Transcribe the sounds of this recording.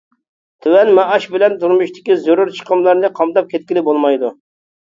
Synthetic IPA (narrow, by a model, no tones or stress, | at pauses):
t̪ʰywɛnmɛɑʃbɪlɛnt̪uɾmuʃt̪ʰɪ̥kʲizoɾʊɾt͡ʃʰə̥qʰəmlˠɑɾnɨqʰɑmd̪ɑp̚kʲʰɛt̪̚kʲilɪbolˠmɑjd̪u